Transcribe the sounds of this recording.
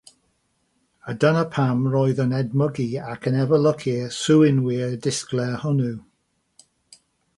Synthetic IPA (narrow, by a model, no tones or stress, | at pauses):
ədənəpʰamrɔɨðənɛd̚məɡiakʰənɛvəlˠəkʰisuwɪnwɪədɪsklɛhʊnu